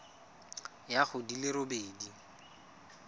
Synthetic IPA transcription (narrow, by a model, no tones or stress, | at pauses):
jaχʊdilɪɾobeːdi